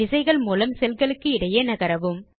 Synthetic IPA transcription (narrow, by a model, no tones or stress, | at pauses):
ɪsɐɪɣɐɭmuːlɐmsɛlɣɐɭɯkːɯɪɽɐjɐnɐɣɐɾɐʋɯm